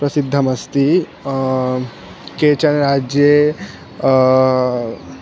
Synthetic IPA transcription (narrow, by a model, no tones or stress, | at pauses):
pɾɐsid̪ʱːɐmɐst̪i | keːt͡ʃɐnɾaːd͡ʒje